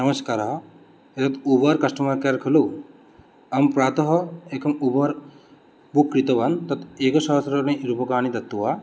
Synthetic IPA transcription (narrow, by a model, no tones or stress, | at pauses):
nɐmɐskaːɾɦɐ | et̪ɐt̪ubaɾkɐsʈɐmɐkeɾkʰɐlu | ɐmpɾaːt̪ɐɦɔeːkɐmubɐɾ | bukːɾit̪ɐʋant̪ɐt̪ekɐsɐɦsɾɐɾnɐɾupɐkaːnid̪ɐt̪ːuwa